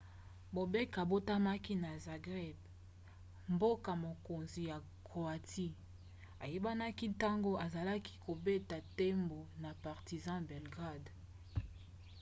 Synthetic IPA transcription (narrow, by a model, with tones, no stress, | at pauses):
bo˨be˦ka˨bo˦ta˦ma˦ki˦na˨za˨ɡʁɛ˦b | mbo˦ka˨mo˨ko˨nzi˨ja˨ | ko˨a˨ti˦ | a˨je˦ba˦na˦ki˦ta˦ŋɡo˦a˨za˨la˦ki̥˦kʰo˨be˦ta˨te˦mbo˨na˨pa˨ʁti˨zɑ̃˦bɛ˨lɡʁa˦˨d